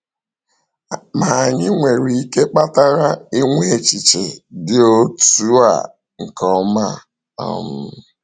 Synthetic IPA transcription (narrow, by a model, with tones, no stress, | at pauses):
ma˨ɲɪ˦ŋʷe˨ɾi˨i˦ke˦k͡pa˦ta˦ɾa˦i˦ŋʷe˦˨t͡ʃi˨t͡ʃe˨dɪ˦o˦tu˦a̰˨ | ŋ̩˨kɔ˦ma˦˨ | ɔ̰˦˨m̩˦